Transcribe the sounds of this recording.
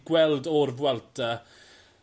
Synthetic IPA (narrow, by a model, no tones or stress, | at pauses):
ɡ̥wɛlˠdɔrvwɛlˠtʰə